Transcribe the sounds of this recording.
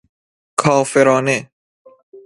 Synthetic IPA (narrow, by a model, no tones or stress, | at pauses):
kʰɒːfeɾɔːne